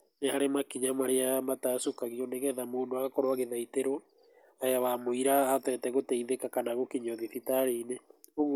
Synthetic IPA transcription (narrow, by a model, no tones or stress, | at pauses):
neaɾemakiɲamaɾeamatasokaɣiɔneɣɛðamoːndoaɣakɔɾoaɣeðaiteɾo | ajawamoiɾaːtɛtɛɣotɛiðekakanaɣokiɲɔðiθitaɾeine | oɣ